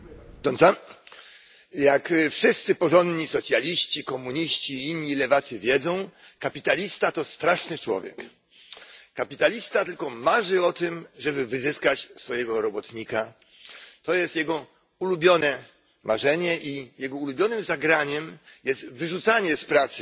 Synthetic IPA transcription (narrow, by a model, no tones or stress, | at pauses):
t̪ɔnsa | jakfʂɘst̪sɘpɔʐɔnd̪ɲisɔt̪sʲjalʲiɕt͡ɕikɔmuɲiɕt͡ɕiinʲːilɛvat̪sɘvʲjɛd̪zɔ̃w̃ | kapʲit̪alʲist̪at̪ɔst̪ɾaʂnɘt͡ʂwɔ̰vʲjɛ̰k | kapʲit̪alʲist̪at̪ɘlkɔmaʐɘɔt̪ɘmʐɛbɘvɘzɘskat͡ɕsfɔjɛɡɔɾɔbɔt̪ɲika | t̪ɔjɛst̪jɛɡɔ | ulubʲjɔnɛ | mʔaʐɛɲɛʔijɛɡɔulubʲjɔnɘmzaɡɾaɲɛmjɛst̪vɘʐut̪saɲɛspɾat̪sɘ̥